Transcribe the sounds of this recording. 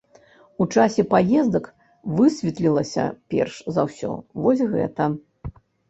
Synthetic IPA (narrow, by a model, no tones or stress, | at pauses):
ut͡ʂasʲɛpajɛzd̪ɐk | vɨsʲvʲit̪lʲilˠɐsʲɐ̰pʲɛ̰rʂzɐwsʲɔ̰vɔsʲɣɛ̰t̪ɐ